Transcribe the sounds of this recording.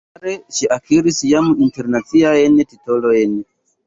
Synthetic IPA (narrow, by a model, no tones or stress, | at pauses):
aɾeʃiʔakʰiɾisijamuʔinteɾnat͡siaenetitolojene